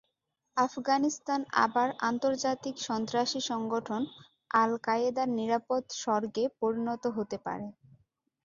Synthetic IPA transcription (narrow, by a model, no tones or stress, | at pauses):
afɡanist̪ana̰baɾa̰nt̪oɾd͡ʑat̪ikʃɔnt̪ɾaʃiʃɔŋɡoʈʰon | alkaed̪aɾniɾapod̪ʃɔɾɡepoɾinɔt̪oɦot̪epa̰ɾe